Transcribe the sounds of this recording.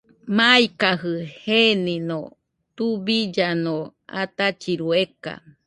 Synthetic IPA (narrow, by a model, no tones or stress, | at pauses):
majkaɦɨhenino | t̪ubid͡ʒanoa̰t̪at͡ʃiɾueka̰